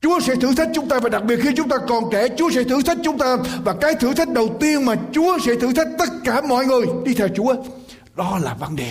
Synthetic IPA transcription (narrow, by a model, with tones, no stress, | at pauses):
t͡ɕu˨˦əsɛ̰˧˥t̪ʰɨ̰˧˥˩t̪ʰa˦˥k̟̚t͡ɕʊ˨˦ŋ͡mt̪aː˧vaː˨˩ɗa˨˩k̚ɓi˨˩ət̚xʰi˧tt͡ɕʊ˦ŋ͡mt̪aː˧kɔ˨˩nt͡ɕɛ˧˩t͡ɕu˨˦əsɛ̰˧˥t̪ʰɨ̰˧˥t̪ʰjk̟̚t͡ɕʊ˨˦ŋ͡mt̪aː˧vaː˨˩kaː˨˦jt̪ʰɨ˧˥t̪ʰa˦˥jk̚ɗə˨˩wt̪i˧ənmaː˨˩t͡ɕu˨˦əsɛ̰˧˥t̪ʰɨ̰˧˥t̪ʰa˦˥k̚t̪ə˦˥t̚kaː˧˩mɔ̰˧˨jŋɨ˨˩əjɗi˧t̪ʰɛ˧wt͡ɕu˨˦ə | ɗɔ˨˦laː˨˩və˧nɗe˨˩